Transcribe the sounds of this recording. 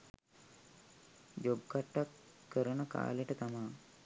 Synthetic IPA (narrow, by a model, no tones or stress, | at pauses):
d͡ʒobkaʈːakːəɾənəka̰ːleʈət̪amaː